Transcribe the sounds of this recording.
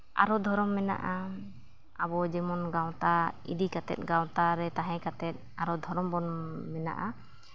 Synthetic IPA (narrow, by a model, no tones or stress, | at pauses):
a̰ɾɔd̪ʱɔɾɔmːɛna̰ʔa | abɔd͡ʒɛmɔnɡaw̃t̪aḭd̪ikat̪ɛ̰t̪̚ˀɡãw̃t̪aɾɛt̪aɦɛ̃kat̪ɛt̪̚aɾɔd̪ʱɔɾɔmbɔnmɛna̰ʔa